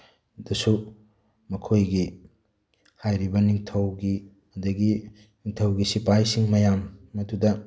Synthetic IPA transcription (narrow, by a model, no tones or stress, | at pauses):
dɐsu | mɐkʰojɡi | hajɾibɐniŋtʰɐwɡi | ɐdɐɡi | niŋtʰɐwɡisipajsiŋmɐjamːɐdudɐ